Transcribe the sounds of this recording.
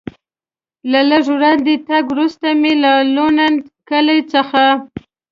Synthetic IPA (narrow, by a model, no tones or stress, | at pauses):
laləʐwɾɑnd̪et̪aɡwɾust̪amelalonankəlajt͡səxa